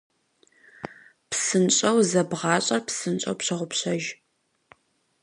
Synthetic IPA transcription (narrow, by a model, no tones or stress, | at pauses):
psɨnɕʼɐwzɐbʁɑːɕʼɐrpsɨnt͡ʃʼɐ̰wpɕɐʁʷʊpɕɐʒ